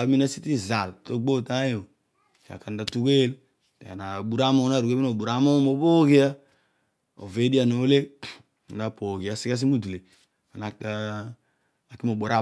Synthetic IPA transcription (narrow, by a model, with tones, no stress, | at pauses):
a˨˦mi˦na˦si˦ti˦za˨lto˦ɡ͡bo˦˨ta˦jo˨ | te˨a̰˨ka˨n˦da˨tu˦ke˦l | tḛ˨a̰˨na˨bu˨ɾa˦mo˦na˦˨ɾu˨e˦mi˦no˨bu˨ɾa˦mo˦mo˨˦po˦ki˦a˦ | o̰˨ve˦di˦a˨no˨˦le˦˨ | n˦da˨po˨ki˨a˦si˦ka˦s̬i˦mu˦du˨le˨ | a˨na˨ka˦ | a˨ki˦mo˨bo˨ɾa˦˨